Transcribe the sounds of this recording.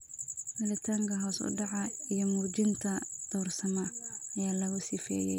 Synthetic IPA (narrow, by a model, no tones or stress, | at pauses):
mɪlɪt̪ʰaːŋkʰɐɦɔːsʊ̰ɖɑʕɑijɔmuːt͡ʃɪnt̪ʰɐd̪̥ɔːrsɐmɐɐjaːlɐɣʊsɪfɛ̰ːjɛ̰j